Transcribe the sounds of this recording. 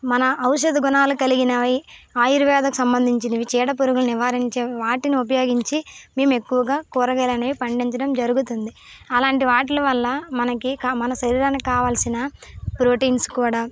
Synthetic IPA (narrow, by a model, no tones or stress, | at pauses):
mɐnɐʔɐwʃɐd̪ɐɡunaːlukɐliɡinɐʋiaːjiɾuʋɛːd̪ɐku̥sɐmbɐnd̪ʱiɲt͡ʃiniʋit͡ʃɛːɽɐpuɾuɡulɐniʋaːɾiɲt͡ʃe̞ːʋaːʈiniupɐjoːɡiɲt͡ʃime̞ːme̞kːuʋɐɡaːkuːɾɐɡɐlɐnɐʋipɐɳɖiɲt͡ʃɐɽɐmd͡ʒɐɾuɡut̪und̪iɐlaːɳʈiʋaːʈilɐʋɐlːɐmɐnɐkikaːmɐnɐsɐɾiːɾɐnkaːʋaːlsinɐpɾo̞ːʈiːnskuːɽaː